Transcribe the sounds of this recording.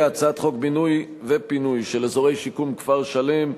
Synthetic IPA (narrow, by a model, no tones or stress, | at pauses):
at͡saat̪χo̞kbinuj | vepinujʃelezoʁe̞jʃikumkvaʁʃale̞m